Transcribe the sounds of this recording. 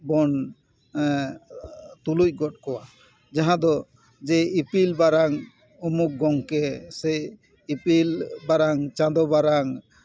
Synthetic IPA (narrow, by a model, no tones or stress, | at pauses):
bɔn | t̪uluc̚ˀɡɔʈ̚kɔwa | d͡ʒaɦãd̪ɔ | d͡ʒɛipilbaɾaŋ | ɔmuk̚ɡɔŋkɛsɛ | ipilbaɾaŋt͡ʃãd̪ɔbaɾaŋ